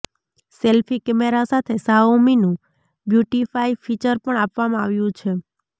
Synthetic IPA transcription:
selfikɛmeɾasat̪ʰesaominũ | bjuʈifaifʰit͡ʃəɾpəɳapʋamãaʋjũt͡ʃʰe

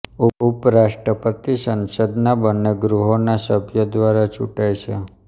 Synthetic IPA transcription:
uupɾaʃʈɾəpət̪isə̃nsəd̪nabənːeɡɾuɦonasəbʱjəd̪ʋaɾat͡ʃuʈajt͡ʃʰe

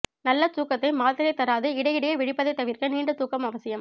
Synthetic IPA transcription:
nɐlːɐt̪uːkːɐt̪ːɐɪmaːlt̪ɪɾɐɪt̪ɐɾaːðɯɪɽɐɪɪɽɐjɐʋɪɽɪpːɐðɐɪt̪ːɐʋɪɾkɐniːɳɖɯt̪uːkːɐmɐʋɐsɪjɐm

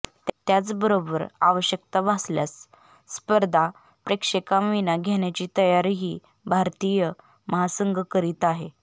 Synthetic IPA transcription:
t̪t̪jat͡sbəɾobəɾa̰ʋəɕjək̚t̪abʱasljasː | pəɾd̪ʱa | pɾekʂekãmʋinaɡʱeɳjat͡ɕiːt̪əjaɾiɦiː | bʱaɾt̪ijə | məɦasəŋɡʱkəɾiːt̪aɦe

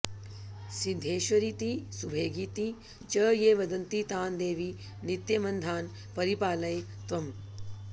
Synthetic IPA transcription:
sid̪ʱeːʃʋɐɾit̪isubʱeːɡit̪i | t͡ʃəːjeːʋɐd̪ɐnt̪it̪aːnd̪eːʋi | nit̪jɐmɐnd̪ʱaːn | pɐɾipaːlɐjt̪ʋɐm

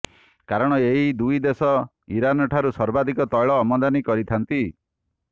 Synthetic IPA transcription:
kaɾɔɽ̃ɔeɦid̪ujd̪esɔ | iɾanɔʈʰaɾusɔɾbad̪ʱikɔt̪ɔjɭɔːmɔd̪anikɔɾit̪ʰant̪i

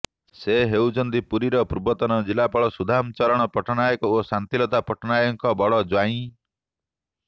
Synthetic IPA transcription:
seɦewd͡ʒɔnd̪ipuɾiɾɔpuɾubɔt̪ɔnɔd͡ʒilapɔɭɔsud̪ʱamt͡ʃɔɾɔɽ̃ɔpɔʈʰɔnajɔkɔosant̪ilɔt̪apɔʈʰɔnajɔŋkɔbɔɽɔd͡ʒwaĩ

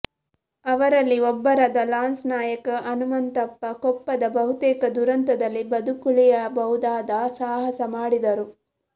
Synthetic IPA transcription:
ɐʋɐɾɐlːiɔbːɐɾɐd̪ɐlaːnsnaːjɐkɐʔɐnumɐnt̪ɐpːɐkɔpːɐd̪ɐbɐɦut̪ɛːkɐd̪uɾɐnt̪ɐd̪ɐlːibɐd̪ukuɭijɐbɐud̪aːd̪ɐsaːɦɐsɐmaːɽid̪ɐɾu

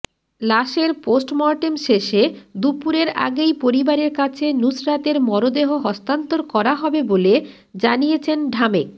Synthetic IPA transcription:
laʃeɾposʈmɔɾʈemʃeʃed̪upuɾeɾa̰ɡejpoɾibaɾeɾkat͡ɕʰenusɾat̪eɾmɔɾod̪eɦoɦɔst̪ant̪oɾkɔɾaɦɔbebole | d͡ʑanijet͡ɕʰenɖʱamek̚

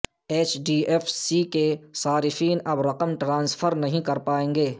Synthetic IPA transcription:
eːt͡ʃɖiːeːfsikesaːɾɪfiːnɐbɾɐqəmʈɾãːnsfʰəɾnɐɦĩkɐɾpaːẽːŋɡeː

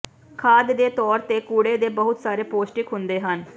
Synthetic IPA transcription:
kʰaːd̪d̪eːt̪ɔːɾt̪eːkuːɽeːd̪eːbəɦʊt̪saːɾeːpoːsʈɪkɦʊnd̪eːɦən

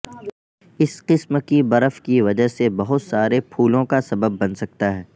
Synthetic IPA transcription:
ɪsqɪsmkibɐɾəfkiʋɐd͡ʒəɦsebɐɦʊt̪saːɾepʰuːlõkasɐbəbːɐnsɐk̚t̪aɦɛː

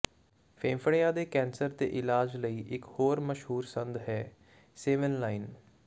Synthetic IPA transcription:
fʰeːmfəɽɪjaːd̪eːkɛ̃ːnsəɾt̪ḛːʔɪlaːd͡ʒləiːʔɪkhoːɾməʃɦuːɾsə̃nd̪ɦɛː | seːʋənlaːiɪn

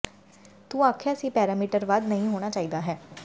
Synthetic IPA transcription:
t̪ũːaːkʰeəsĩːpɛːɾaːmiːʈəɾʋaːd̪nəɦĩɦoːɽ̃aːt͡ʃaːiːd̪aːɦɛː

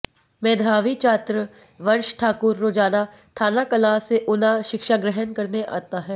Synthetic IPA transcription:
mẽːd̪ʱaːʋit͡ʃaːt̪ɾə | ʋɐnʃʈʰaːkʊɾːoːd͡ʒaːna | t̪ʰaːnakɐlaːseʔʊnaʃɪkʃaɡɾɛɦənkɐɾneʔa̰ːt̪aɦɛː

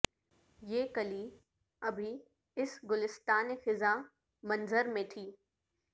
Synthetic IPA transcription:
jeːkɐliː | ɐbʱi | ɪsɡʊlɪst̪aːnixɪzaː | mɐ̃nzəɾmẽʈʰiː

